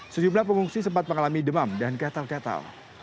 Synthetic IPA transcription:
səd͡ʒumlahpəŋuŋsisəmpat̪̚məŋalamidəmamdankat̪alkat̪a̰l

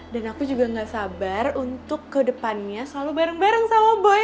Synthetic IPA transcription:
danakud͡ʒuɡaŋɡaʔsabarunt̪ʊkːədəpanɲasəlalubaɾəŋbaɾəŋsawaboj

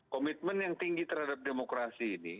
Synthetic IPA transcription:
komit̪̚mənjaŋt̪iŋɡit̪əɾhadap̚demokɾasiːni

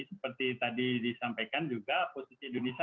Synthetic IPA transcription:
sə̥pərt̪it̪adidisampajkand͡ʒuɡaposisiːndones

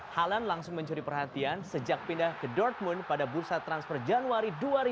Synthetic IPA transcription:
halanlaŋsʊŋməɲt͡ʃuɾipərɦat̪iansəd͡ʒak̚pindahkədɔrt̪̚mʊnpadabursat̪ɾansfɔrd͡ʒanuaɾiduaɾi

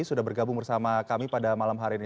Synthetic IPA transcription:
sudahɦbərɡabʊŋbərsamakamipadamalamɦaɾini

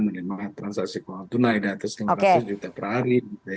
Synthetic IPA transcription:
mənəmaɦat̪ːɾansaksikoant̪unaidat̪əslimat̪us̬d͡ʒut̪apəraɾid͡ʒut̪a

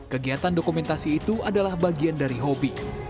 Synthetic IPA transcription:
kəɡiɦat̪andokumɛnt̪asiːt̪uadalahbaɡiandaɾiɦobi

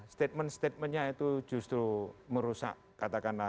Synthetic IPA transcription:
st̪et̪̚mənst̪et̪̚mənɲait̪u̥d͡ʒ̥ṳst̪ɾuməɾusa̰ʔ | kat̪akana

